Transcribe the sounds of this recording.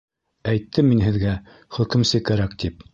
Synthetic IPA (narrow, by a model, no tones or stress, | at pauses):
æjt̪ːɘminɦɘ̆ðɡæ | χɵ̆kɘ̆msɘkæɾækt̪ip̚